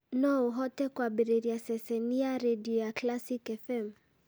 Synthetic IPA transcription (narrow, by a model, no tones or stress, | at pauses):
nɔuɦɔtɛkwaɓiɾɛɾiasɛsɛniaɾɛɗiɔjaklasikɛfɛm